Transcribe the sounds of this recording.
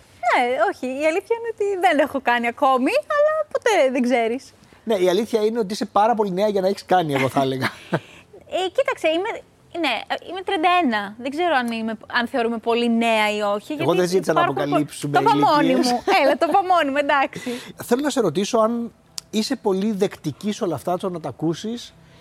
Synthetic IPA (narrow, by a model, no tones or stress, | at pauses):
neo̞çiːɐliθçɐineot̪iðene̞xo̞kɐniɐko̞miɐlɐpo̞t̪e̞ðeɡze̞ɾis | ne̞iɐliθçɐineo̞t̪iisepɐɾɐpo̞line̞ɐʝɐnɐeçi̥skɐnieɣo̞θɐle̞ɣɐ | ecit̪ɐkse̞ime̞ | ne̞ḭme̞t̪ɾieɐnd̪ɐenɐðeɡze̞ɾoɐnimeɐnθeo̞ɾume̞po̞line̞ɐio̞çiʝeɐtɣoðezit̪isɐnɐpokɐlipsumeopɐmmonimmuelɐt̪opɐmo̞nimuend̪ɐksiθelonɐse̞ɾo̞t̪̬iso̞ɐn | ise̞po̞liðe̞kt̪iciso̞lɐft̪ɐt̪onɐt̪ɐkusis